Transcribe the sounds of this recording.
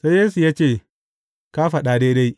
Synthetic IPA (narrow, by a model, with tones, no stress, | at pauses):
sa˦jjeː˦su˨ja˦t͡ʃeː˦˨ | ka˦ɸa˨ɗaː˨deː˦da˦j